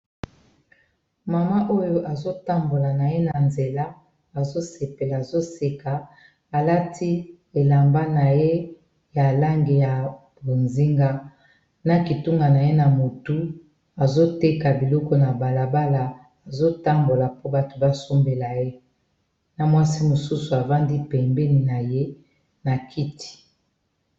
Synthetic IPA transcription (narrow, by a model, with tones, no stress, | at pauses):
ma˨ma˦ʔo˦jo˦ʔa˨zo˦ta˦mbo˨la˨na˨je˦na˨nze˨la˦ | a˨zo˦se˨pe˨laː˨zo˦se˨ka˨ | a˨la˦tʰi˦ | e˨la˨mba˦na˨je˦ | ja˨la˦ŋɡe˨ja˨bo˨nzi˦ŋɡa˦ | na˨ki˨tu˦ŋɡa˨na˨je˦na˨mo˨tu˦ | a˨zo˦te˦ka˨bi˨lɔ˦kɔ˦na˨ba˨la˨ba˦la˨ | a˨zo˦ta˦mbo˨la˨po˦ba˨to̥˨ba˦so˦mbe˨la˨je˦ | na˨mwa˦si˦mo˨su˦su˨a˨va˦ndi˦pɛ˨mbɛ˦ni˨na˨je˦ | na˨kʰi˦ti̥˨